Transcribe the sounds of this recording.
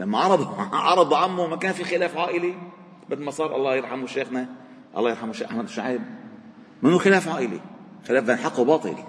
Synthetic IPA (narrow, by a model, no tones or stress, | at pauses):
lamːaʕɑɾˤɑd̪ˤʕɑɾˤɑd̪ˤʕamːumakæːnfixɪlæːfʕaːʔɪli | bɪd̪mɑsˤɑːɾˤʔɑ̰lˤːɑːjɪɾˤħamuʃeːxna | ʔɑ̰lːˤɑːjɪɾħamuʃeːxʔaħmad̪wʃaʕiːb̚ | mɪnːuxɪlaːfʕaːʔɪlḭxɪlæːfd̪anħaqːubɑːt̪ˤɨ̰l